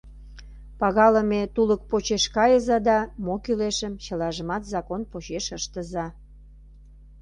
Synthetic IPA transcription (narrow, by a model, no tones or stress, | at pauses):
pɑɣɑləmet̪ulək̚pot͡ɕeʃkɑjəzɑd̪ɑmokyleʃəmt͡ɕəlɑʒəmɑt̪zɑkonpot͡ɕeʃəʃt̪əzɑ